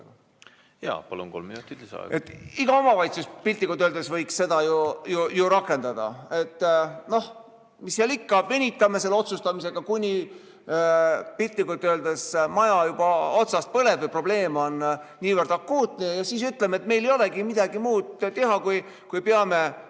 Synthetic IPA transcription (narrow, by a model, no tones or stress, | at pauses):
jɑ̰ːpɑlṵnkolminut̪ːˑit̪lisɑ̰̥ʔḛt̪ːˑiɡ̥ɑo̞mɑvɑjt̪suspilʲt̪likut̪ːøld̪̥esvɤjksse̞d̪ɑjujujuɾɑkːˑe̞nd̪̥ɑd̪̥ɑ̰e̞t̪ːˑno̞h | misːiɑlikːɑmenʲit̪ːˑɑme̞selːo̞t̪sust̪ɑmise̞ɡ̥ɑkunʲi | pilʲt̪likut̪ːˑøːld̪esmɑjɑjub̥ɑot̪sɑst̪̚pɤle̞bɨjpro̞b̥le̞ːmo̞nːiːvərd̪̥ɑkːuːt̪nejɑsiːsyt̪ːˑlemet̪ːme̞jlejo̞leɡimid̪̥ɑɡimuːd̪̥t̪e̞ɦɑkuj | kujpeɑme̞